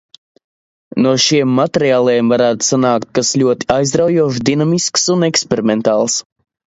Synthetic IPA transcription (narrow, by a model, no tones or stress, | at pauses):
nuɔʃiɛmːat̪eɾiaːlˠɛjmvaɾaːt̪u̥sanaːkt̪̚kasʎʲuɔt̪i̥ajzd̪ɾawjuɔʃd̪inamisksunɛkspeɾimɛnt̪aːlˠs